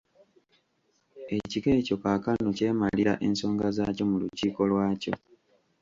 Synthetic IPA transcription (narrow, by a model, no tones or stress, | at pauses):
e̞ciɡe̞ːco̞kakanoce̞ːmaliɾa̰ʔe̞nso̞ːŋɡazaːco̞muluciːko̞lwaːco̞̰